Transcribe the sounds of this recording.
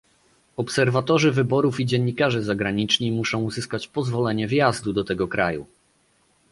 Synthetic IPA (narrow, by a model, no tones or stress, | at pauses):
ɔpsɛɾvat̪ɔʐɘvɘbɔɾufid͡ʑɛɲːikaʐɘzaɡɾaɲit͡ʂɲimuʂɔ̃w̃uzɘskat͡ɕpɔzvɔlɛɲɛvʲjazd̪ud̪ɔt̪ɛɡɔkɾa̰jṵ